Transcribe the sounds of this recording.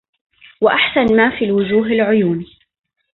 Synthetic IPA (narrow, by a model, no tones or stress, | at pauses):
waʔaħsanmaːfiːlwʊd͡ʒuːɦalʕʊjuːniː